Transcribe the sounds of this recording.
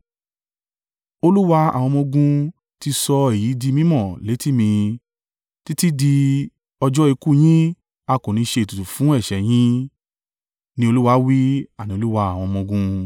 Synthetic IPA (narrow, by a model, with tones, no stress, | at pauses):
o˧lu˦wa˧a̰˨w̃ɔ̃˧mɔ̃˧ɡũ˧ | ti˧sɔ˧e˨jiː˨˦di˧mĩ˦mɔ̃˦˨le˨˦ti˦mĩ˧ | ti˦ti˦di˧ | ɔ˧d͡ʒɔ˦i˧ku˦˨j̃ĩ˦ | a˧kõ˨nĩ˧ʃe˧i˨tu˨tu˨fũ˨˦ɛ˦˨ʃɛ˨˦j̃ĩ˦ | nĩ˧o˧lu˦wa˧˦wi˦a˦˨nĩ˧˦o˧lu˦wa˧˦a˨w̃ɔ̃˧mɔ̃˧ɡũ˧